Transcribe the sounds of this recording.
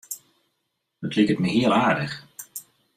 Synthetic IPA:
dətlɪkətməɦɪːəlˠaːɹdəχ

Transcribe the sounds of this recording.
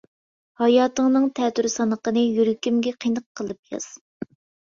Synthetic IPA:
hɑjɑːt̪əŋnɨŋt̪ʰɛt̪yɾsɑnəqənɨjyɾykʲimɡʲɛqʰijnəqʰːəlˠɨpjɑ̰z̥

